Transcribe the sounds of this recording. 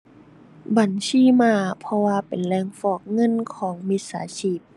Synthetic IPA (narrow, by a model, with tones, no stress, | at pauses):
ba˨˩˦nsiː˧˥˩maː˧pʰɔ˧waː˧pe˨˩nlɛː˧˨ŋfɔː˧˩k̚ŋɤ˧˥˨nkʰɔː˩˦ŋmi˧˥t̪̚sa̰ː˩˦t͡ɕʰiː˧˥˩p̚